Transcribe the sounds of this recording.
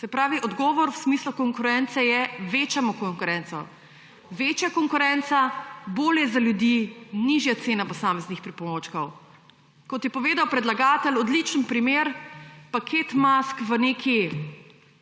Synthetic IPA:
sɛpɾaːʋiʔɔd̪ɡɔːʋɔɾwsmiːslukɔŋkʊɾɛnt̪sɛjɛʋeːt͡ʃamɔkɔŋkʊɾɛntsɔ̰ | ʋeːt͡ʃjakɔŋkʊɾɛnt̪saboːljɛzaljud̪iniʒjat̪seːnapɔsaːmɛznixpɾipɔmoːt͡ʃkɔw | kɔt̪jɛpɔʋeːd̪awpɾɛd̪laɡaːt̪əlɔd̪lit͡ʃənpɾimeːɾpakʰet̪maskʋənekʰi

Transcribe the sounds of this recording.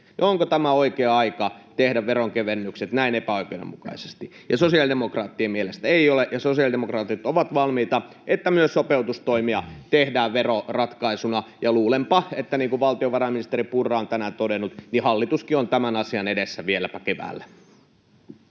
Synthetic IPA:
nioŋkot̪æmæoikeːɑikɑt̪ehdæʋʋeroŋkeʋenːykset̪næinepæoikeudḛmukɑ̰ise̥st̪ijɑsosiɑldemokrɑːt̪ːiemielest̪æeiolejɑsosiɑldemokrɑːt̪it̪oʋɑt̪ʋɑlmiːt̪ɑ | ʔet̪ːæmyøssopeut̪ust̪oimiɑt̪ehdæːʋʋerorɑt̪kɑisunɑjɑluːlempɑet̪ːæniːŋkuʋʋɑlt̪ioʋɑrɑminist̪eripurːˑɑːont̪ænæt̪odenːˑut̪nihɑlːit̪uskiont̪æmænɑsiɑnedesːæʋielæpækeʋæ̰ːlːæ

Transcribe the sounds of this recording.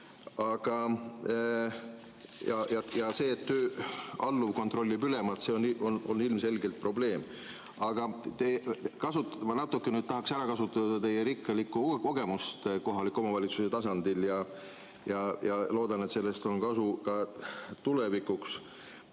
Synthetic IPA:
ɑɡ̥ɑ | jɑjɑjɑse̞ːt̪ːøːɑlːuvko̞nt̪ro̞lʲːibyle̞mɑt̪se̞oniʔononːilmse̞lɡe̞lt̪̚pro̞ble̞ːm | ɑɡ̥ɑt̪ekɑsut̪ːmɑnɑt̪ːˑukːˑenyːd̪̥̚t̪ɑɦɑksæɾɑkɑsut̪ːˑɑd̪ɑt̪e̞jeɾikːˑɑlikːˑuko̞ɡ̥e̞must̪ko̞ɦɑlikːˑo̞mɑvɑlʲit̪suse̞t̪ɑs̬ɑnd̪iljɑ | jɑjɑlo̞ːd̪ɑne̞t̪se̞lːe̞st̪o̞nkɑsukɑt̪ulevikːˑuks

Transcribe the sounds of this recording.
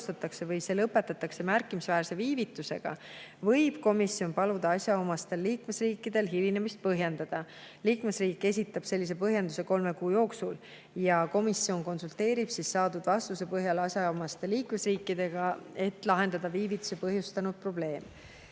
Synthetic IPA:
t̪ɑt̪ːˑɑkse̞vɤjse̞ːlɤpːˑe̞t̪ːˑɑt̪ːˑɑksemærkːimisvæːɾse̞viːvit̪ːˑuse̞̰ɡ̥ɑ̰vɤjb̥ko̞misːio̞npɑlud̪̥ɑɑsʲjɑomɑst̪e̞lːiːkme̞sriːkːˑid̪̥e̞lɦilinemist̪̚pɤɦje̞nd̪̥ɑd̪̥ɑ | liːkme̞sriːkːe̞s̬ʲit̪ːˑɑb̥se̞lːis̬e̞pɤɦjend̪use̞ko̞lme̞kuːjo̞ːksul | jɑko̞misːio̞nko̞nsult̪e̞ːɾib̥sissɑːd̪ud̪̥vɑst̪use̞pɤɦjɑlɑsʲjɑomɑst̪e̞liːkme̞sriːkːˑid̪̥e̞ɡ̥ɑe̞t̪ːˑlɑɦe̞nd̪̥ɑd̪̥ɑviːvit̪ːˑu̥sepɤɦjust̪ɑnud̪̥̚pro̞ble̞ːm

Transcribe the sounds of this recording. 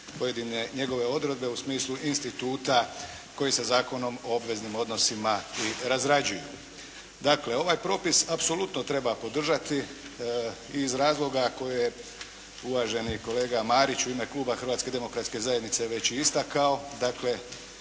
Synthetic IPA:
po̞je̞d̪ineɲe̞ɡo̞ʋe̞o̞d̪ɾe̞d̪be̞usmiːslˠuʔinst̪it̪uːt̪a | ko̞jesazaːko̞no̞mo̞obʋe̞znimo̞d̪no̞simaiɾazɾad͡ʑuju | d̪akle̞o̞ʋajpɾo̞ːpisapso̞lut̪no̞t̪ɾe̞bapo̞d̪r̩ʒat̪i | zɾaːzlˠo̞ɡako̞jeje | uʋaʒe̞niko̞le̞ːɡamaːɾit͡ɕuime̞klˠuːbaxɾʋat̪ske̞d̪e̞mo̞kɾat̪ske̞zajed̪nit̪se̞ʋe̞t͡ɕiist̪akao̞d̪akle̞

